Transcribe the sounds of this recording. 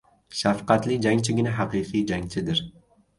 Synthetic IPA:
ʃafqɑt̪lɪd͡ʒaŋt͡ʃʰɪɡʲɪnaɦɑqɨqijd͡ʒaŋt͡ʃʰɪd̪ɪɾ

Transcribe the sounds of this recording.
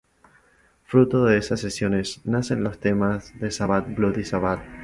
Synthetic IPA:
fɾut̪oðeesasːesjo̞ne̞snasenlo̞st̪e̞mazðesaβat̪̚bluðisaβat̪̚

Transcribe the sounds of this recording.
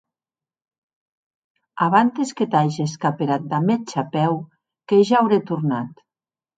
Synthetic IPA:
aβant̪esket̪ajʒeskapeɾat̪̚d̪amet͡ʃapɛw | keʒaːwɾet̪uɾnat̪

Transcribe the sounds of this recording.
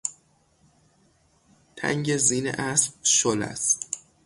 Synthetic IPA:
t̪ʰæ̰ŋɟe̞ziːnḛʔæsbʃolæ̰st̪

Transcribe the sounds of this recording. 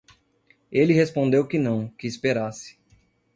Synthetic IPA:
elɪhespõnd̪ewkɪnɐ̃w̃kɪːspeɾasɪ̥

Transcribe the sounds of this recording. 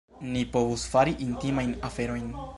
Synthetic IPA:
nipo̞vusfaɾiʔintimajnafe̞ɾo̞jn

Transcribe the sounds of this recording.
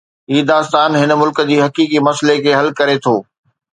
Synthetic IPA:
ɦiːd̪aːst̪aːnɦɪnəmʊlkə̆d͡ʑiːɦɐkiːkimɐslekʰeːɦɐlkɐɾet̪ʰoː

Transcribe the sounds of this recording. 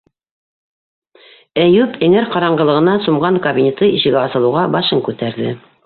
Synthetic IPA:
æjʉpʰɘ̆ŋɘɾqɑɾɑɴɢɤlˠɤ̆ʁɤ̆nɑsumʁɑŋkɐbʲinʲet̪ɤiʃɘ̆ɡæɑsɤ̆lˠɤ̆wʁɑbɑʃɤŋkʉt̪æɾðɘ

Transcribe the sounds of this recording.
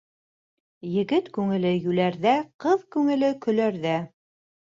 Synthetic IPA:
jɘ̆ɡɘt̪kʉŋɘ̆lɘjʉlæɾðæqɤðkʉŋɘ̆lɘkɵ̆læɾðæ

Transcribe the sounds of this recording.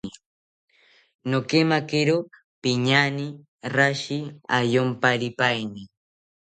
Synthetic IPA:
nokemakɪɾo | pɪɲanɪ | ɾaʃɪajompaɾɪpajnɪ

